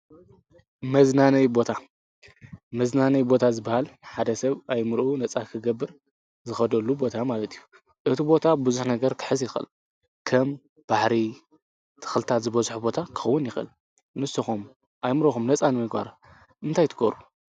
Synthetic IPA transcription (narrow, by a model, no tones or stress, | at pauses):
mɐznanɐjbo̞t̪ʰa | mɐznanɐjbo̞t̪ʰazɨbːahalħad̪ɐsɐβajmɨɾʔunɐt͡sʼakʰɨɡɐbːɨɾ | zɨxɐd̪ɐlːubo̞t̪ʰamalɐt̪ʰiju | ʔɨt̪ʰibo̞t̪ʰabɨzuħnɐɡɐɾkʰɨ̥ħɨzjɪxɨ̰l | kʰɐm | b̥aħɾi | t̪ʰɨ̥xlɨt̪ʰat̪zɨbɐzħubo̞t̪ʰakʰɨ̥xɐwːʊnjɪxʔɨ̰l | nɨsuxum | ʔajmɨɾoxumnɐt͡sʼanɨmɨɡba̰ɾ | ʔɨnt̪ʰajt̪ʰɨɡoɾu